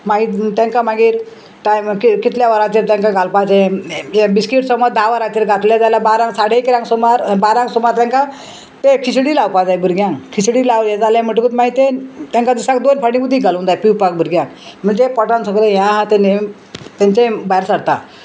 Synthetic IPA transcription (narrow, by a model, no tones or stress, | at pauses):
maɡit̪jãŋkamaɡiːɾ | ʈajmkikit̪ljaʋəɾãt͡ɕiɾt̪jãŋkaɡalpad͡zẽebiskiʈsɔmɔd̪aʋəɾat͡ɕiɾɡat̪ljad͡zalabaɾãŋsaɽekɾãŋsɔmaɾbaɾãŋksɔmaɾt̪jãŋka | t̪ekʰisɽilaʋpad͡zajbʱəɾɡjãkʰisɽilaʋɾjãd͡zalãm̤əʈ̬kut̪maɡit̪et̪jãŋkad̪isak̚d̪onpʰəɽĩmud̪ʱːiɡʱalõnd̪ajpiwpak̚bʱəɾɡjãm̤əɳd͡zepɔʈãnsəɡləɦjãɦãt̪ene | t̪ãɲt͡ɕẽbajɾsəɽt̪a